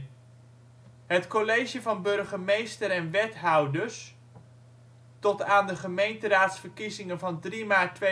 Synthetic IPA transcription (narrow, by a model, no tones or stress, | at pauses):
ɦətkolejʒjəvɑnbɵɹχəmejstəɾɛnʋɛtɦʌwdəɹs | tɔtaːndəχəmejntəɾaːtsfəɹkizɪŋənvɑndrimaːtʋe